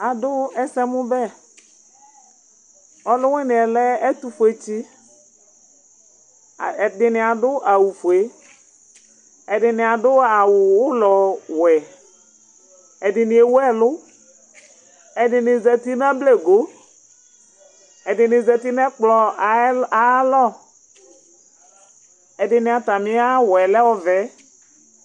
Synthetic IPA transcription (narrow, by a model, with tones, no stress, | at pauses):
a˨dʊ˦ɛ˦sɛ˦mʊ̃˦bɛ˦ | ɔ˨lʊ˦we˦nɪ̃˨ɛ˨lɛ˦ɛ˦t̪u˨˦fo˨e˨t͡ɕi˦˨ | dɪ˨nɪ˨a˨dʊ˦ʔa˨wu˨fo˨e˦ | ɛ˨dɪ˨nɪ̃˨a˨dʊ˦a˨wʊ˨wʊ˦lɔ˨wɛ˨ | ɛ˨dɪ˨nɪ˨e˨wɛ˦˨lʊ˦ | ɛ˨dɪ˨nɪ˨zɛ˨ti˦n˦a˦ble˦ɡo˨˦ | ɛ˨dɪ˨nɪ˨zɛ˨ti˦nɛ˦k͡plɔ˨a˨˦lɔ˦˨ | ɛ˨dɪ˨nɪ̃˨a˨ta˨mɪ˦a˦wɛ˨lɛ˦wɔ˦vɛ˨˦